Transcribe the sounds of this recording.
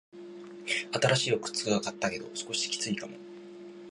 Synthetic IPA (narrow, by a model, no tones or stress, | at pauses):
at̪aɾaɕiːakɯ̟̥t͡sɨɡakat̪ːake̞d̪o̞̰sɨ̥ko̞ɕi̥kʲi̥t͡sɨikamo̞̰